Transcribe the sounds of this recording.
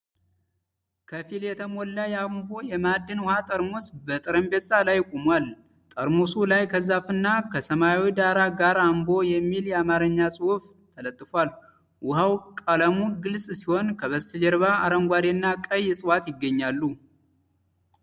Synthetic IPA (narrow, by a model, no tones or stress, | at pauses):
kʰəfiljɛt̪ʰəmolːəjɛambo̞jɛmad̪ːɨnwʊhat̪ʼəɾmosbət̪ʼɨɾəmbesalajkʼomwal | t̪ʼəɾmosulajkʰəzafɨnːakʰəsəmajawid̪aɾaɡaɾambo̞jɛmːiljɛamaɾəɲːasʼɨuf | t̪ʰələt̪ʼːɨfwal | wʊhawkʼaləmuɡɨlsʼsiho̞nkʰəβəst̪ʰəd͡ʒɛɾβaaɾəŋɡʷaɾenːakʼəjːɪsʼɨwat̪jɪɡːəɲːalːu